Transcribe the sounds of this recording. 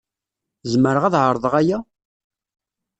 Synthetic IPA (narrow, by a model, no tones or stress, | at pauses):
zməɾəʁæðʕəɾˤðˤəʁæjæ